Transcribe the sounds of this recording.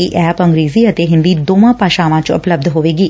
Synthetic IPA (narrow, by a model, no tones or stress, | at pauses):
iːʔɛːpə̃ŋɡɾeːziːət̪eːɦɪ̃nd̪iːd̪oːʋãːpaːʃãːʋãːt͡ʃʊ̰pləb̚d̪ɦoːʋeːɡiː